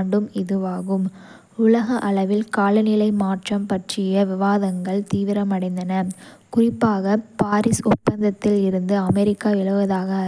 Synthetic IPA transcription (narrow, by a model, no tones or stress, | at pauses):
ɳɖɯmɪðɯʋaːɣɯm | ʊlɐɣɐʔɐɭɐʋɪlkaːlɯnɪlɐɪmaːʈrɐmpɐʈrɪjɐʋɪʋaːðɐŋɡɐɭt̪iːʋɪɾɐmɐɽɐɪnd̪ɐnɐkʊrɪpːaːɣɐpaːɾɪsɔtpːɐnd̪ɐt̪ːɪlɪɾɯnd̪ɯɐmɛɾɪkːaːʋɪɭɐʋɐðaːɣɐ